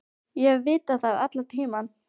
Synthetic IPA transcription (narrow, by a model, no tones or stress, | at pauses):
jɛvɪːt̪aθaðat̪lat̪ʰiːman